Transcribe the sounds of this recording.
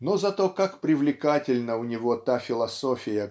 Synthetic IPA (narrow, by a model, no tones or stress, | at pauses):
nozɐt̪o̞kakpɾʲɪvlʲɪkatʲɪlʲnəʊnʲɪvo̞t̪afʲɪlˠɐsofʲɪjə